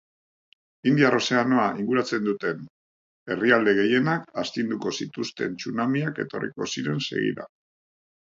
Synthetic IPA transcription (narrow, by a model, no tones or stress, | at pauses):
ind̪iaro̞se̞anoaʔiŋɡuɾat͡se̞nd̪ut̪e̞n | e̞riald̪e̞ɣe̞je̞nakast̪ind̪uko̞sit̪ust̪e̞nt͡sunamiake̞t̪o̞̰rḭko̞̰siɾe̞nse̞̰ɣḭɾa̰